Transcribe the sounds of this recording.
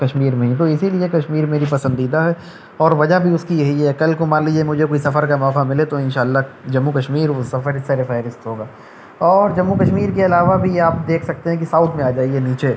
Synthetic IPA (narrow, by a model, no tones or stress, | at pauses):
kɐʃmiːɾmẽɦĩt̪̬oɪsiliekɐʃmiːɾmeːɾipɐsə̃nd̪iːd̪aɦɛ | ɔːɾʋɐd͡ʒabʱiʊskijɐɦiɦɛkɐlkomaːnliːd͡ʒiemʊd͡ʒʱekoːisɐfəɾkamɔːkamɪlet̪oɪnʃaːlːad͡ʒɐmːukɐʃmiːɾʋosɐfəɾɪsseɾefɛːɾɪst̪ɦoːɡaː | ɔːɾd͡ʒɐmːukɐʃmiːɾkeɐlaːʋabʱiaːp̚d̪eːkʰsɐk̚t̪eɦɛ̃k̬isaːʊt̪ʰmẽaːd͡ʒaːiɛniːt͡ʃe